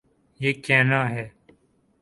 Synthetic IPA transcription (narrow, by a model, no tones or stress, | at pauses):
jeːkẽːnãːɦeː